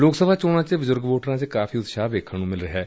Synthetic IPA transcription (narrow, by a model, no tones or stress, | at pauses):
loːksəbʱaːt͡ʃoːɽãːt͡ʃebʊzʊɾɡʋoːʈəɾãːt͡ʃekaːfʰiːʊt̪ʃaːʋeːkʰənũːmɪlɾəɦɛː